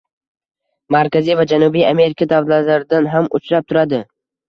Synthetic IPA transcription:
maɾkʰʲazijvad͡ʒanubijame̞ɾɪkʰad̪avlalaɾɪd̪anɦamʊ̰t͡ʃʰɾap̚t̪ʰʊɾad̪ɪ

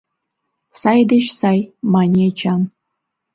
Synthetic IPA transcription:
sɑjd̪eɕsɑjmɑnʲet͡ɕɑm

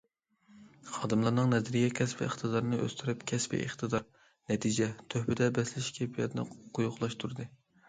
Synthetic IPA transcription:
χɑːd̪ɨmlˠɑɾnɨŋnɛzɾijɛkʲʰɛspɪ̰əχt̪ɨd̪ɑɾnɨʔø̰st̪ʰyɾɨpkʲʰɛspɪ̰ʔiχt̪ʰɨd̪ɑɾ | nɛt̪ʰid͡ʒɛt̪ʰøhpɪd̪ɛbɛslɪʃkʲʰepʰijɛ̰t̪ʰnɨ̰qʰʊjʊχlˠɑʃt̪ʰuɾɨd̪ɨ

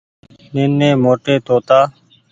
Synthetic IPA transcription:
nenːeːmoːʈeːt̪oːt̪aː

